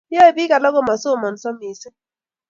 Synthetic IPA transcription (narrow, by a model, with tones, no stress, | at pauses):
jɔ˦e˨bi˦ka˨lɔ˦ɡɔ˦ma˨so˦˨mɔ˨n˨sɔ˦mi˨sɪ˦